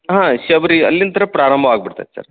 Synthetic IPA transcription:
ɦãːʃɐʋɐɾiɐ̰lːint̪ʰɐɾɐpɾaːɾɐmbʱɐaːɡ̚biɽt̪a̰ːd̪esɐ̰ɾ

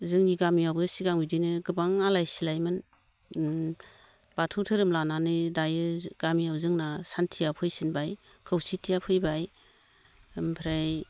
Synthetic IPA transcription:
zɯŋniɡamijawbɯsiɡaŋbidinɯɡɯbaŋalajsilajmɯn | batʰuwtʰɯɾɯmlananɯdajɯɡ̥amijawzɯŋnasantʰijapʰɯjsinbaj | kʰɯwsitʰijapʰɯjbaj | mpʰɾaj

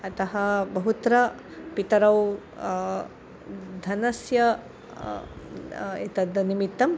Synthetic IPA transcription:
ɐt̪ɐɦɐbɐɦut̪ɾɐ | pit̪ɐɾɐw | d̪ʱɐnɐsjɐ | et̪ɐd̪ɐnimit̪ːɐm

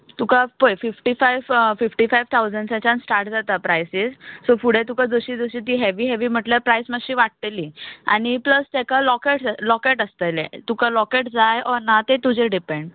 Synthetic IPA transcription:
t̪ukapojfifʈifajʋfifʈifajʋt̪ʰawd͡zəɳɖsãt͡ɕãnsʈaɾʈd͡zat̪apɾajsiːssofuɽ̤et̪ukad͡zoɕiːd͡zoɕiːt̪iːɦɛʋiɦɛʋiːm̤əʈlapɾajsməɕiːʋaʈ̚t̪eliːa̰ɽ̃ipləst̪ekalɔkeʈlɔkeʈəst̪əlḛt̪ukalɔkeʈd͡zajɔɾnat̪et̪ud͡ʑeɖipeɳɖ

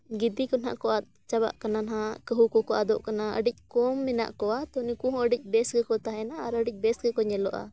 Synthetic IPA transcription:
ɡid̪ikɔna̰ʔkɔat̪̚ | t͡ʃaba̰ʔkananɦakəɦukɔkɔʔad̪ɔʔkanaə̰ɖic̚ˀkɔmːɛna̰ʔkɔwat̪ɔnikũɦɔ̃əɖic̚ˀbɛsɡɛkɔt̪aɦɛnaːɾəɖic̚ˀbɛsɡɛkɔɲɛlɔʔa̰

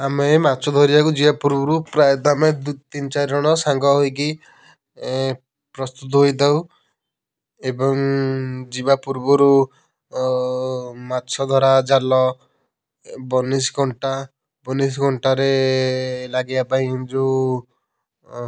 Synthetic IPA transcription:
amematːt͡ʃʰɔd̪ʱɔɾibakud͡ʒibapuɾbɔɾupɾajɔt̪amed̪t̪int͡ʃaɾiɾɔɽ̃ɔsaŋɡɔɦojk̬i | pɾɔst̪ut̪̬ɔɦojt̪aw | ebɔŋd͡ʒibapuɾbɔɾu | matːt͡ʃʰɔd̪ʱɔɾad͡ʒalɔ | bɔnisɡʱɔɳʈa | bɔnis̬ɡʱɔɳʈaɾe | laɡibapaĩd͡ʒu

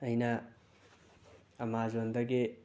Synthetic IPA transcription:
ʌjnɐ | mazond̪ʌɡe

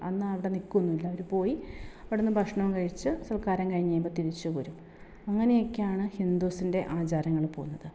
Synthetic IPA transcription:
ɐnːɨɐʋiɽe̞nikːunːuilːɐʋoɾupo̞ːjiɐʋiɽenːɨbʱɐkʂɳɐʋumkɐɻit͡ɕːɨsɐrkaːɾɐmŋkɐɻiɲːɐjumbot̪iɾit͡ɕːupɐɾum | ɐŋːɐne̞jo̞kːejaːɳɨhind̪usinde̞ʔaːt͡ɕaːɾɐŋːɐɭpo̞̰ːunːɐðɨ

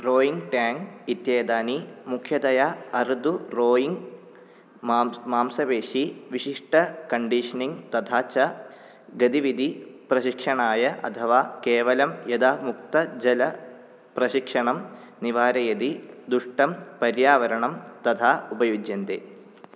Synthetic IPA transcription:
roːjiŋɡʈaːŋɡit̪jeːd̪aːnimukʰjɐd̪ɐjaɐɾd̪uroːjiŋɡ | maːmsɐʋeːʂiʋiɕiʂʈɐkɐɳɖiʂɐniŋɡt̪ɐt̪ʰaːt͡ɕɐ | ɡɐd̪iʋid̪ʱiprɐɕikʂɐɳaːjɐʔɐ̰t̪ʰɐʋaːkeːʋɐlɐmjɐd̪aːmuk̚t̪ɐd͡ʑɐlɐ | prɐɕikʂɐɳɐm | niʋaːɾɐjɐd̪id̪uʂʈɐmpɐɾjaːʋɐɾɐɳɐmt̪ɐd̪ʰʱaːubɐjud͡ʒjɐnd̪ḛː

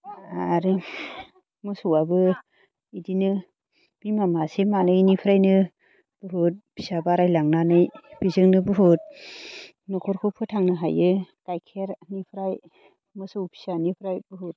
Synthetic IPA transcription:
aɾi | mɯsuwabɯ | idinɯ | b̥imamasemanɯnipʰɯɾajnɯ | b̥ɯɦut̚b̥ʰisabaɾajlaŋnanɯjb̥izɯŋnɯbɯɦut̚ | nɔkʰɔɾkʰɔpʰɯtʰaŋnɯɦa̰jɯkajkʰeɾnipʰɾaj | mɯsɯwpʰi̥sanipʰɾajbɯɦut̚

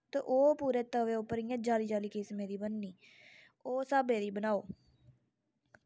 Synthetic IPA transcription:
t̪aʔoːpuːɾeːt̪əʋeːʊpːəɾijãːd͡ʒaːliːd͡ʒaːliːkɪsmẽːd̪iːbənːiː | oːsaːbeːd̪iːbənaːoː

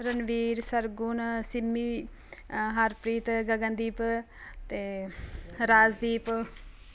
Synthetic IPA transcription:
ɾənʋiːɾsɐɾɡunsimːi | ɦaːɾpɾiːt̪ɡɐɡə̃nd̪iːp | t̪eː | ɾaːzd̪iːp

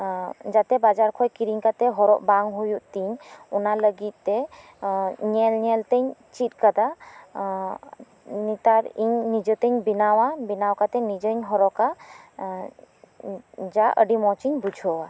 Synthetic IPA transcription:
d͡ʒat̪ɛbad͡ʒaɾkʰɔjkiɾiŋkat̪ɛɦɔɾɔʔbaŋɦujuʔt̪iɲɔnaləɡit̪̚ˀːɛ | ɲɛlɲɛlt̪əɲt͡ʃit̪̚ˀkad̪a | nit̪aɾiɲnid͡ʒət̪əɲbinawabinawkat̪ɛnid͡ʒəɲɦɔɾɔʔka | d͡ʒaʔə̰ɖimɔt͡ʃiɲbud͡ʒʱɔwa

